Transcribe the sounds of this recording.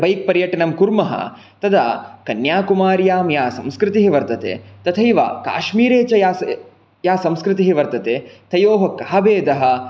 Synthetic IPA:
bʱɐjk̚pɐɾjɐʈɐnɐmkuɾmɐɦɐ̰ | t̪ɐd̪ɐkɐnjaːkumaːɾjaːmjaːsɐ̃mskɾɪt̪iɦiʋɐɾt̪ɐt̪ḛːt̪ɐt̪ʰɐjiʋa̰ːka̰ːʃmiːɾeːt͡ʃɐjaː | jaːsɐ̃mskɾɪt̪iɦiʋɐɾt̪ɐt̪eːt̪ʰɐjoːɦɐkaːbeːd̪ɐɦɐ̆

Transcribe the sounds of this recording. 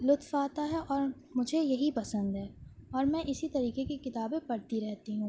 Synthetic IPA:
lʊt̪faːt̪aɦɛʔɔːɾ | mʊd͡ʒʱejɐɦipɐsə̃nd̪ɦɛːɔːɾmɛ̃ʔɪsit̪ɐɾiːkekekɪt̪aːbẽpɐɽt̪iɾɛɦt̪iɦũː

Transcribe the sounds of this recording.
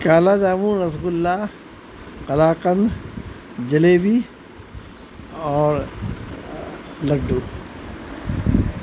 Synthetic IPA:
kaːlaːd͡ʒaːmũːnɐsɡʊlːaː | qɐlaːqənd̪ | d͡ʒɐleːbiː | ɔːɾ | lɐɖːuː

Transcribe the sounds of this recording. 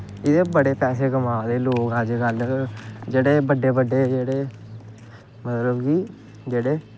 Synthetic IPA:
ɪd̪eːbəɽeːpɛːseːɡəmaːd̪eːloːkəd͡ʒɡəl | d͡ʒeːɽeːbəɖːeːbəɖːeːd͡ʒeːɽeː | mət̪ləbkiː | d͡ʒeːɽeː

